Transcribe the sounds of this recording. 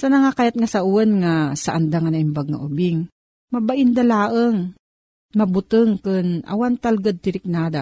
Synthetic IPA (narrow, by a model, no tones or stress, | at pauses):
sɐnɐŋakajat̪̚ŋɐsɐʔuɐnŋasɐʔɐnd̪aŋɐnɐʔɪmbaɡ̚ŋɐ̰ʔʊbɪŋ | mɐbaʔɪnd̪ɐlaːʔəŋ | mɐbʊt̪ɨŋkɨnʔɐ̰want̪alɡad̪̚t̪ɪɾɪk̚naːd̪a